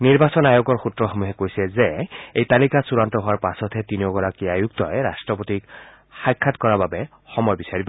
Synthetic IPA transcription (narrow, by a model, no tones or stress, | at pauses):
niɹbasɔnajokɔɹxutɹɔxɔmuɦɛkojsɛzeejt̪alikasuɹant̪ɔɦɔwaɹpasɔt̪ʰɛt̪inioɡɔɹakiajukt̪ɔ̰jɹasʈɹɔpot̪ik | xajkʰːatkɔɹababɛ | xɔmɔjbisaɹibɔ